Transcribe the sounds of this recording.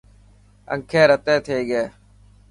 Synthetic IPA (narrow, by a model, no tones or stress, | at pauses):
ə̰ŋkʰeːɾət̪eːt̪ʰeːɡeː